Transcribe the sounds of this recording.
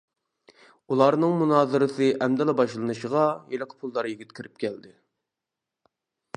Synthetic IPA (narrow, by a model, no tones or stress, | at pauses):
ulˠɑɾnɨŋmunɑːzɨɾɨsɨʔɛmd̪ɛlɛbɑʃlˠɨnɨʃəʁɑjelˠəqʰə̥pʰulˠːɑɾjiɡʲit̪̚kʰʲiɾɪp̚kʲʰɛld̪ɪ